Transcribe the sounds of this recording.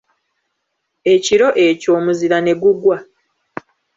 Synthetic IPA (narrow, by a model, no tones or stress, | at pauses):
e̞ciɾo̞ʔe̞co̞ːmuziɾane̞ɡuɡwa